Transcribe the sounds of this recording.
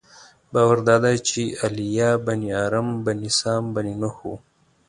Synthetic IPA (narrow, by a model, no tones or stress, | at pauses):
bɑːwaɾd̪ɑːd̪at͡ʃialijaːbɐniaːɾɐmbɐnisɑːmbɐninahu